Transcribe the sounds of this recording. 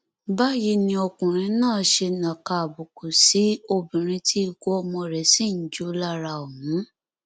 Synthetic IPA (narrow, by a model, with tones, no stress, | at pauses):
ba˦ji˧˦nĩ˧ɔ˧kũ˨ɾ̃ĩ˧nãː˦˨ʃe˧nã˨ka˧˨a˨bo˨ko˨si˨˦o˧bĩ˨ɾ̃ĩ˧˦tʰi˦i˦˧˨ɡo˦ɔ˧mɔ̃˧˨ɾɛ˨˦si˦n̩˨˦d͡ʒo˦la˦ɾa˧o˨mũ˨˦